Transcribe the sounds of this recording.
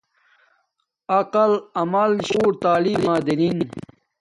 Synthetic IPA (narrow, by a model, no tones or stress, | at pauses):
ɐqɐlɐmɐlɕoːʈt̪aːliːlaːd̪inin